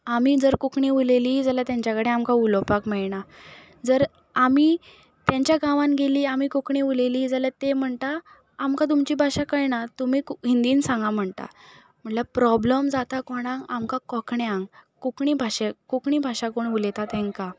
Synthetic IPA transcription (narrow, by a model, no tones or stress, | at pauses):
amiːd͡zəɾkukɳiʋuleliːd͡zəljat̪jãɲt͡ɕjakəɽeamkaulopakmeɭɳa | d͡zəɾ | ami | t̪jãɲt͡ɕjaɡãʋãnɡeliːamiːkukɳiʋuleliːd͡zaljat̪em̤əɳt̪aː | mkat̪̬umt͡ɕiːbʱaɕakəjnat̪umiːkɦind̪iːnsãŋɡam̤əɳt̪a̰ | m̤əɳlapɾɔbləmd͡zat̪akoɽãŋɡamkakɔkɳjãŋɡkukɳiːbʱaɕekukɳiːbʱaɕakoɳulet̪at̪ẽŋka